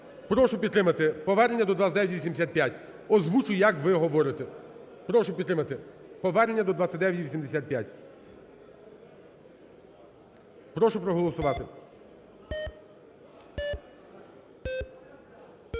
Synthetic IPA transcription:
pɾɔʃʊpʲid̪t̪ɾɪmɐt̪ɪpɔʋɛrnenʲːɐd̪ɔd̪ʋat͡sʲɐtd̪ɛʋjʲtʲʋʲisʲimd̪ʲsʲat̪̚pʲjatʲ | ɔzʋut͡ʃʊjjɐkʋɪɦɔʋɔɾɪt̪ɛ | pɾɔʃʊpʲid̪t̪ɾɪmɐt̪ɪpɔʋɛrnenʲːɐd̪ɔd̪ʋatt͡sʲɐtʲd̪ɛʋʲjɐtʲʋʲisʲimd̪esʲat̪̚pjatʲ | pɾɔʃʊpɾɔɦɔlˠɔsʊʋɑt̪ɪ

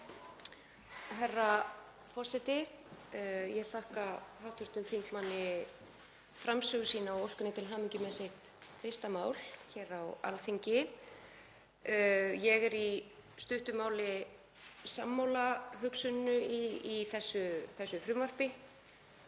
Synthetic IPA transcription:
ɦɛrːa | fɔr̥sɛjt̪ɪ | jɛɣθahkahawht̪ʰʏɾ̥t̪ʏmθiŋkmanːɪ | fɾamsœɣʏsiːnaɔowskʏnɪt̪ʰɪlɦaːmiɲcɪmɛːsɪht̪ | fɪst̪amaːwl̥çɛːɾawa̰lθiɲcɪ | jɛɣɛɾi | st̪ʏht̪ʏmaːwlɪ | samːawlaɦʏksʏnnʏiiθɛsːʏθɛsːʏfɾʏmvar̥pɪ

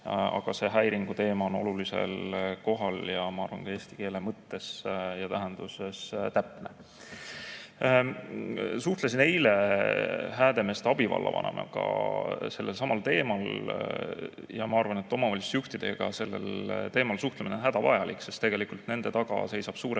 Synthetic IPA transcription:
ɑ̰ɡ̥ɑse̞ɦæjɾiŋɡ̥ut̪e̞ːmɑono̞̰lulise̞̰lko̞ɦɑljɑmɑɑrvɑ̰nkɑe̞ːst̪i̥ke̞ːlemɤt̪ːe̞sjɑt̪æɦænd̪̥usest̪æpne | suht̪les̬ine̞jle | ɦæːd̪̥e̞me̞ːst̪eɑb̥ivɑ̰lːɑ̰vɑ̰nḛmɑ̰ɡ̥ɑ̰se̞lːe̞lsɑmɑlt̪e̞ːmɑl | jɑmɑɑrvɑne̞t̪ːˑo̞mɑvɑlʲist̪juht̪id̪̥e̞ɡ̥ɑ̰se̞lːe̞̰lt̪eːmɑlsuht̪leminenɦæd̪̥ɑvɑ̰jɑlʔikːse̞st̪e̞ɡ̥e̞likult̪ne̞nd̪̥e̞t̪ɑɡ̥ɑ̰se̞jsɑb̥suːɾe

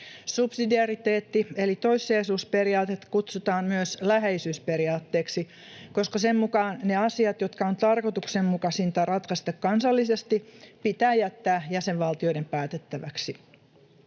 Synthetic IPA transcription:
supsidiɑrit̪eːt̪ːielit̪o̞isːeːsuːspeɾiɑːt̪et̪kut̪sut̪ɑːmmyøslæɦeisyːsperiɑːt̪ːeːksi | koskɑsemmukɑːnneɑsiɑt̪jo̞t̪kɑont̪ɑrkot̪uksemmukɑsint̪ɑrɑt̪kɑst̪ɑkkɑnsɑlːisest̪ipit̪æːjæt̪ːæːjæseʋʋɑlt̪io̞iɾempæːt̪et̪ːæʋæksi

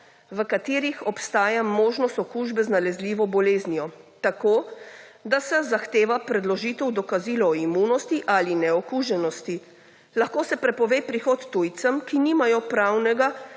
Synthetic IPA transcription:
ʋəkat̪iːɾixɔpst̪aːjamoːʒnɔst̪ɔkuʒbɛznalɛzliːʋɔbɔleːznijɔt̪akoːd̪asɛzaxt̪eːʋapɾɛd̪lɔʒiːt̪ɛwd̪ɔkaziːlɔːimunɔst̪iʔalinɛɔkuʒɛnɔst̪i | laxkoːsɛpɾɛpɔʋeːpɾixɔt̪ːujt̪səmkiniːmajɔpɾaːwnɛɡa

